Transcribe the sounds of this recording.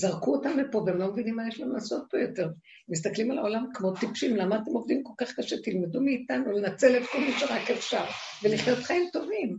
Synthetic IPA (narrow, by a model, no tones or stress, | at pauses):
zaʁkuotamlepo̞veemlo̞mevinimːajeʃlanulaːso̞t̪̚pojo̞te̞ʁ | mis̬t̪aklimalao̞lamkmo̞t̪ipʃimlamaːt̪emo̞vd̪imko̞lkaχkaʃet̪ilmedumeit̪anulenat͡se̞let̪kolmaʃeʁakefʃaʁ | veliχjo̞t̪χaimt̪o̞vim